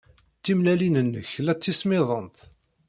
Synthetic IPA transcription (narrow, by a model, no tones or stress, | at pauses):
t͡sːimlælinənːə̰çlæt͡sːismɪðˤənt̪